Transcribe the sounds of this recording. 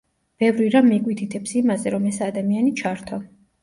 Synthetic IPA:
b̥ɛvɾiɾamːikʼwit̪ʰit̪ʰɛpsimazɛɾɔmɛsad̪amianit͡ʃʰaɾt̪ʰɔ

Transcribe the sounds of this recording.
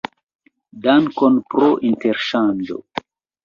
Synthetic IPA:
daŋkonpɾoʔinteɾʃand͡ʒo̰

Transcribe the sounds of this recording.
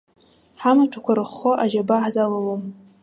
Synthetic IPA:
ħamatʰakʷʰaɾɨχːoʔaʒabaħzalalom

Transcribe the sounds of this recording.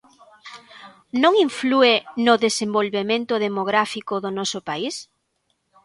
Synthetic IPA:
nõŋiɱfluenʊðesembolβemẽnt̪ʊðemoɣɾafikʊðʊnɔsʊpais

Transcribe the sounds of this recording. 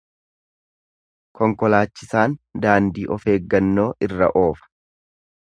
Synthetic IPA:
kɔŋkɔlaːt͡ʃːɪsaːnd̪aːnd̪iːʔɔfe̞ːɡːɐnːo̞ːʔɪrːɐ̰ʔo̞ːfɐ̥

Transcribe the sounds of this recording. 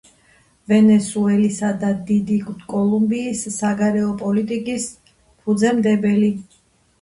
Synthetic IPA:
vɛnɛsuɛlisad̪ad̪id̪ik̪kʼɔlˠumbiːsːaɡaɾɛɔpʼɔlit̪ʼikʼis | pʰud̪zɛmd̪ɛbɛli

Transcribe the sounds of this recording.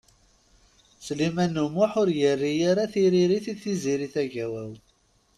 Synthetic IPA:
slimænːumʊħʊɾjərːijaɾaθiɾiɾiθiθiziɾiθæʝæwæw

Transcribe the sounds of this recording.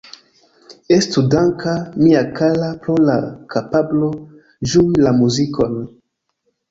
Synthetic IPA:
estudaŋkamiakalapɾolakʰapablo̞ | ʒuilamuziko̞n

